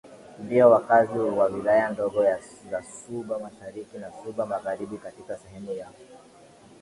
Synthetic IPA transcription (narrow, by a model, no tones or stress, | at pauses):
ndiɔwakaziwawilajandɔɡɔjazasuɓamaʃaɾikinasuɓamaɣaɾiɓikatikasɛhɛmujakɔ